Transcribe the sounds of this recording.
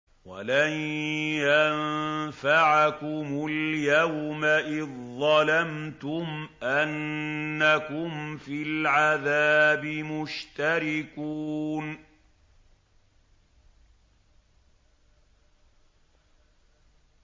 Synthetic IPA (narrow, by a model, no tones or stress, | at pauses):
wa̰lanja | faʕakʊmʊljawmaʔɪððˤɑlamt̪ʊmʔanːakʊmfilʕaðaːbɪmʊʃt̪aɾɪkuːn